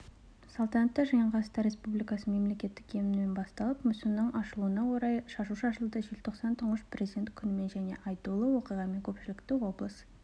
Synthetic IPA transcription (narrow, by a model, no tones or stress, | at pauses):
sɑlˠt̪ɑnɑt̪ːɑʒɑjəɴʁɑəst̪ɑɾe̞spublʲijkɑsəme̞mle̞kʲe̞t̪ːɪ̥kʲʰe̞mɪnmenbɑst̪ɑlˠəpmʏsɪmnəɴʔɑʃəlˠuənɑwoɾɑjʃɑʃuʃəɑʃ̬əlˠd̪əʒelʲt̪ʰo̞qsɑnt̪ʰʊɴəʃpʰrʲezid̪e̞nt̪kʲʰʏnɪme̞nʒæne̞̰ʔɑjt̪ulˠəwo̞qijʁɑme̞ŋkʲʰɵpʃɪlɪkt̪ɪwo̞blˠəs